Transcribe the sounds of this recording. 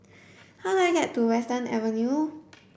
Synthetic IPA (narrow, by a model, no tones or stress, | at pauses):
hawdajɡɛttːuwɛstənɛ̰vənju